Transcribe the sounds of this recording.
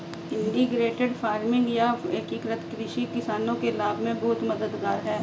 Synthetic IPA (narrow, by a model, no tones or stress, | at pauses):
ɪ̃ɳɖɪɡɾeːʈeɖfʰaːɾmɪ̃ŋɡjaɐkiːkɾət̪kɾɪʃikɪsaːnõkelaːbʱmẽbʊːt̪mɐd̪əd̪ɡaːɾɦɛː